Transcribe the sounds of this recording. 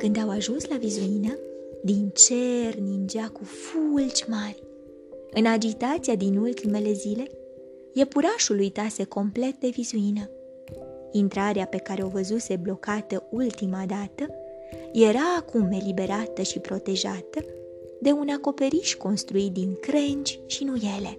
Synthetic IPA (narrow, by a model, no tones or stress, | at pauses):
kɨnd̪awaʒunslavizuinəd̪int͡ʃe̞rnind͡ʒakufult͡ʃʲmarʲ | ɨnad͡ʒit̪at̪siad̪inult̪ime̞le̞zile̞ | je̞puɾaʃulujt̪ase̞ko̞mple̞t̪̚d̪e̞vizuinə | int̪ɾaɾeape̞kaɾe̞o̞vəzuse̞blo̞kat̪əult̪imad̪at̪ə | je̞ɾaːkume̞libe̞ɾat̪əʃipɾo̞t̪e̞ʒat̪ə | d̪e̞unako̞pe̞ɾiʃko̞nst̪ɾuit̪̚d̪inkɾent͡ʃʲʃinuje̞le̞